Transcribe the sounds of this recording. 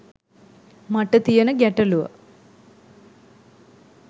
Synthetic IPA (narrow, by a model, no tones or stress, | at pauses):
mɐʈːɐt̪ijɐnɨɡeʈːɐluʋɐ̰